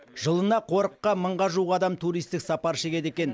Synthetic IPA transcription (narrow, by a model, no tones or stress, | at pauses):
ʒəlˠənɑqʰo̞ɾəqːɑməɴʁɑʒuʁɑd̪ɑmt̪ʰuɾijst̪ɪksɑpɑɾʃe̞kʲe̞d̪e̞kʲe̞n